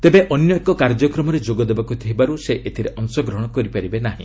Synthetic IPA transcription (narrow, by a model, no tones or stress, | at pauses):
t̪ebeʔɔnjɔekɔkaɾd͡ʒɔkɾɔmɔɾed͡ʒoɡɔd̪ebakut̪ʰiɦibaɾuseʔet̪ʰiɾeʔɔŋsɔɡɾɔɦɽ̃ɔkɔɾipaɾibenaɦḭ̃